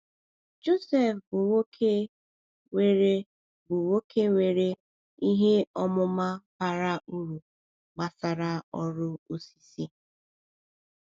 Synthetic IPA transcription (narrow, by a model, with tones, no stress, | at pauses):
d͡ʒo˦sɛ˨fbʊ˨wo˦kʰe˦ | we˨ɾe˦ | bʊ˨wo˦kʰe˦we˨ɾe˦ | i˦ɦe˦ɔ˦mʊ˦ma˦pa˨ɾa˦u˦ɾu˨ | ɡ͡ba˨sa˨ɾa˦ɔ˦ɾʊ˦o˨si̥˨si˦